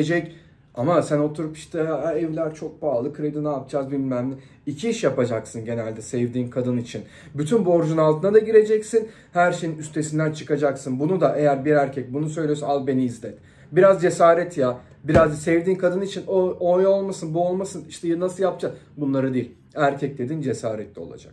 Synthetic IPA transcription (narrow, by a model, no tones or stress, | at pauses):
ed͡ʒɛc | amasæno̞t̪ʰuɾupi̥ʃt̪ʰɛɛvlʲæɾt͡ʃʰo̞k̚baːlˠɯkʰɾejd̪inaːp̚d͡ʒazbinmænʲɪ | icʰiiʃjapad͡ʒaksɯnɟe̞nælʲd̪ɛsɛvd̪iːnkʰad̪ɯnit͡ʃʰin | byt̪ʰynbo̞ɾd͡ʒunalˠt̪ʰɯnad̪aɟiɾe̞d͡ʒɛcsin | hæɾʃe̞jinyst̪ʰe̞sind̪ænt͡ʃʰɯ̥kad͡ʒaksɯnbunud̪aʔe̞jæɾbiɾæɾcʰɛc̚bunus̬øjlʲijosazˠbe̞niːzlʲɛt̪ | biɾazd͡ʒe̞saːɾɛt̪ʰja | biɾazsɛvd̪iːnkʰad̪ɯnit͡ʃʰinoojo̞lˠmasɯnbuo̞lˠmasɯniʃt̪ʰɛjnasɯlˠjap̚d͡ʒaz | bunlˠaɾɯd̪eilʲ | æɾcʰɛc̚d̪ʲe̞d̪ind͡ʒe̞saːɾɛt̪lʲɛo̞̰lˠa̰d͡ʒa̰k